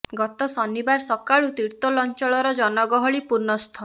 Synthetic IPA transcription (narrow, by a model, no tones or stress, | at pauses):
ɡɔt̪ɔsɔnibaɾsɔkaɭut̪iɾt̪ɔlɔnt͡ʃɔɭɔɾɔd͡ʒɔnɔɡɔɦɔɭipuɾnɔst̪ʰɔ